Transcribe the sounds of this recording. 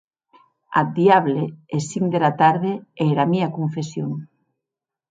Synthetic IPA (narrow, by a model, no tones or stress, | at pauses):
a̰d̪iaβleesiŋd̪eɾat̪aɾðeɛɾamiakoɱfesjoŋ